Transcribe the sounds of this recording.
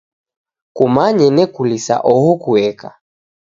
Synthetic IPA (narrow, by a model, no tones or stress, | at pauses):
kumaɲɛnɛkulisa̰ʔɔhɔkuɛka̰